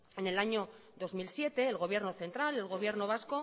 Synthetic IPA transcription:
e̞ne̞laɲo̞ | ðo̞zmilsje̞t̪e̞ːlɣo̞β̞je̞ɾno̞θe̞nt̪ɾale̞lɣo̞β̞je̞ɾno̞βasko̞

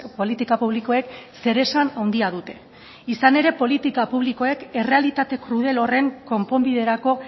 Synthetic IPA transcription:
po̞lit̪ikapuβ̞liko̞e̞kse̞ɾe̞sanawnd̪iað̞ut̪e̞ | isane̞ɾe̞po̞lit̪ikapuβ̞liko̞e̞ke̞re̞alit̪at̪e̞kɾuðe̞lo̞re̞ŋko̞mpo̞mbiðe̞ɾako̞

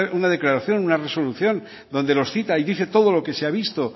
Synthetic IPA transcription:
unaðe̞klaɾaθjo̞nunare̞so̞luθjo̞n | d̪o̞nd̪e̞lo̞sθit̪aiðiθe̞t̪o̞ð̞o̞lo̞ke̞seaβist̪o

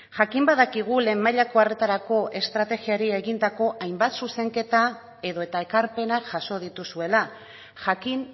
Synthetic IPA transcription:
ʝakimbaðakiɣ̞ule̞mːaʎakoare̞t̪aɾako̞ʔe̞st̪ɾat̪e̞ɣiaɾie̞ɣind̪ako̞ʔajmbat̪suse̞ŋke̞t̪a | e̞ðo̞et̪aekaɾpe̞naʝaso̞ð̞it̪usue̞la | ʝakin

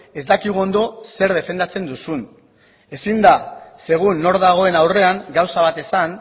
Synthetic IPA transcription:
e̞zd̪akiɣuo̞nd̪o̞se̞ɾð̞e̞fe̞nd̪at͡se̞nd̪usun | e̞sind̪ase̞ɣ̞unːo̞ɾðaɣ̞o̞e̞nawre̞aŋɡawsaβ̞at̪e̞san

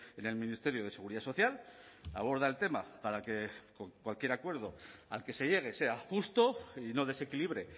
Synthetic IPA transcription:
ene̞lmĩnist̪e̞ɾjo̞ð̞e̞se̞ɣuɾiðaso̞θjal | a̰β̞o̞ɾð̞aelt̪e̞mapaɾake̞kokwalkje̞ɾakwe̞ɾð̞o̞a̰lke̞se̞ʝe̞ɣ̞e̞se̞axust̪o̞ino̞ðe̞se̞kiliβ̞ɾe̞

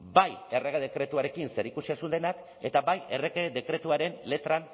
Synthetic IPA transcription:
baje̞reɣeð̞e̞kɾe̞t̪uaɾe̞kinse̞ɾikusiasund̪e̞nak | e̞t̪aβaje̞reɣed̪e̞kɾe̞t̪uaɾe̞nle̞t̪ɾan

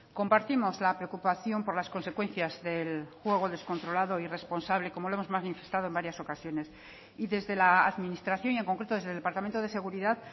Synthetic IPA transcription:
ko̞mpaɾt̪imo̞zlapɾeokupaθjo̞mpo̞ɾlaskonse̞kwe̞nθjazðe̞lxwe̞ɣ̞o̞ðe̞sko̞nt̪ɾo̞laðo̞ire̞spo̞nsaβ̞le̞ko̞moloemo̞zmazmanifest̪að̞oe̞mbaɾjaso̞kasjo̞ne̞s | iðe̞zðe̞laːðminist̪ɾaθjoŋie̞ŋkoŋkɾet̪oezðelepaɾt̪ament̪oð̞e̞se̞ɣuɾiðað

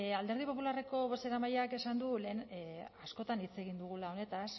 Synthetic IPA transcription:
ald̪e̞ɾð̞ipo̞pulare̞ko̞βo̞se̞ɾamajake̞sand̪ule̞ːnasko̞t̪anit͡se̞ɣ̞ind̪uɣ̞ulao̞ne̞t̪as

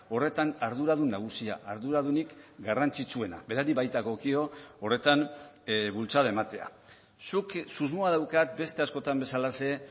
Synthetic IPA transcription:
o̞re̞t̪anaɾðuɾað̞unaɣ̞usia̰ʔaɾðuɾað̞unikɡarant͡sit͡sue̞na̰be̞ɾaɾiβajt̪aɣo̞kio̞ːre̞t̪an | βult͡saðae̞mat̪e̞a̰ | suksuzmoaðawkat̪̚be̞st̪e̞asko̞t̪ambe̞salase̞

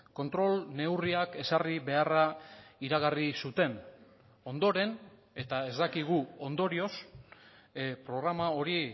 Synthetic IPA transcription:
ko̞nt̪ɾo̞lne̞wriake̞sariβe̞araiɾaɣ̞arisut̪e̞n | o̞nd̪o̞ɾe̞n | e̞t̪ae̞zd̪akiɣ̞uo̞nd̪o̞ɾio̞s | pɾo̞ɣɾamao̞ɾi

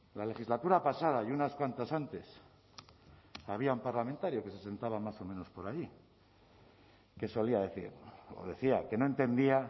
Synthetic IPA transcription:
lale̞xizlat̪uɾapasað̞ajunaskwant̪asant̪e̞s | aβ̞iaumpaɾlament̪aɾjo̞ke̞se̞se̞nt̪aβamaso̞me̞no̞spo̞ɾaji | ke̞so̞liaðe̞θḭɾo̰ðe̞θiake̞no̞e̞nt̪e̞nd̪ia

